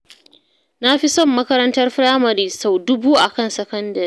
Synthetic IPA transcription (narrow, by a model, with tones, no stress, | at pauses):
na˦ɸi˦sɔ˦˨mːɐ˦kɐ˦ɾɐ˦ntɐ˦rɸɾaː˦mɐ˨ɾiː˦sa˦˨wdʊ˦buː˦ʔa˨kɐ˦˨nsɐ˨kɐ˦ndɐ˨ɾiː˦